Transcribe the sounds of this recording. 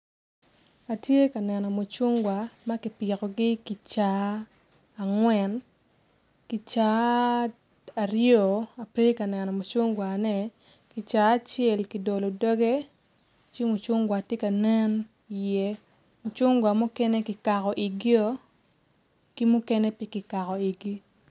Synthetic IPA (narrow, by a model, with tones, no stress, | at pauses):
a˨tje˦ka˨nɛ˨nɔ˨mo˨t͡ʃu˦ŋɡwa˨ma˦kɪ˨pɪ˨kɔ˨ɡɪ˦ki˨t͡ʃa˨ | a˨ŋwɛ˨n | ki˨t͡ʃa˨˦ | a˨ɾjo˨a˨pe˦ka˨nɛ˨nɔ˨mo˨t͡ʃʊ˦ŋɡwa˨nɛ˨ | ki˨t͡ʃaː˨˦t͡ʃɛ˨lki˨do˨lo˨dɔ˦ɡe˦ | t͡ʃi˦mo˨t͡ʃʊ˦ŋɡwa˨tje˦ka˨nɛ˦n | i˨jɛ˦ | mo˨t͡ʃʊ˦ŋɡwa˨mu˦kɛ˦ne˦kɪ˨ka˨kɔ˨ʔi˨ɡi˦o˦ | ki˦mu˦kɛ˦ne˦pjɪ˦kɪ˨ka˨kɔ˨i˨ɡi˦